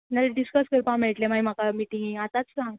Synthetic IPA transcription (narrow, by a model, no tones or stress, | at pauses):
naɾeɖiskəskəɾpãmeɭʈlemajm̤akamiʈiŋɡat̪at͡skaɦã